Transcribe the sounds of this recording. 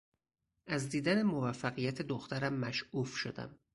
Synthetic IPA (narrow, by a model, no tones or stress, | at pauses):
ʔæzd̪iːd̪æne̞movæfːæɣijæt̪ʰe̞d̪oxt̪ʰæɾæmːæʃuːfʃod̪æ̰m